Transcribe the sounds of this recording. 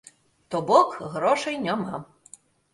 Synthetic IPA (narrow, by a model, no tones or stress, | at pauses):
t̪ɔbɔkɣɾɔʂɐjnʲama